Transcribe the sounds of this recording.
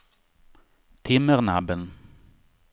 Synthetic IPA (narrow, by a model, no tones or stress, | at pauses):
t̪ʰɪməʁnabən